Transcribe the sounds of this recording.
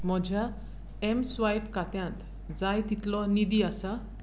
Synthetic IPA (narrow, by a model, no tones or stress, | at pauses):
mɔd͡ʑʱa | emsʋajpkat̪jãnt̪ | d͡zajt̪it̪lɔnid̪iasa